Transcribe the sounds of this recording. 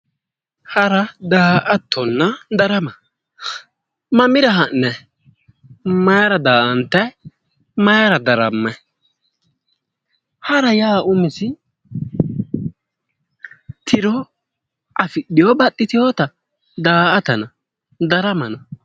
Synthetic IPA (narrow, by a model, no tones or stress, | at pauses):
hɐɾɐd̪aːʔɐt̪ʰːɔnːɐd̪ɐɾɐmɐ | mɐmɪɾɐɦɐnːɛ | mɐjɐɾɐd̪aːʔɐnt̪ːɐj | mɐjaɾɐd̪ɐɾɐmːɐ | hɐɾɐjaːʊmɪsɪ | t̪ʰɪɾɔ | ʔɐfɪɗːɪjɔbɐtːɪt̪ɪjot̪ɐ | d̪aːɐt̪ɐnɐ | d̪ɐɾɐmɐnɐ